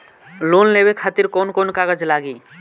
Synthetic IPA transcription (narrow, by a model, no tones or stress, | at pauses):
lonlebekʰat̪iɾkonkonkaɡəd͡ʒlaːɡiː